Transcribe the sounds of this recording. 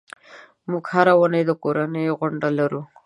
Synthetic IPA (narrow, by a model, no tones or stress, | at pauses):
muɡhaɾawanəjd̪əkoɾanəjoɣʊɳɖalaɾu